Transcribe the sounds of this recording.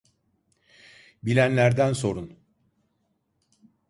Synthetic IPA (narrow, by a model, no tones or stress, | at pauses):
bilʲænlʲæɾd̪ænso̞ɾun